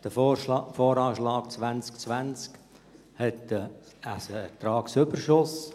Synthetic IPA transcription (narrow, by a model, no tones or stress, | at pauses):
d̥əfoːɾɑːʃlɑːkt͡sʋænt͡skt͡svænt͡sk | hɛtə | əsɛt̪ɾɑːksʏbəɾʃʊs